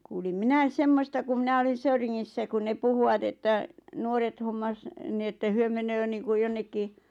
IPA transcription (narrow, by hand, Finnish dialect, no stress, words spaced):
kuːlim minæis semːostɑ ku minæ olin̞ søyriŋːisːæ ku ne puhuw̆ɑt etːæ nuoret homːɑs ni etːæ hyø menøː niːŋkuj̆ jonːekːi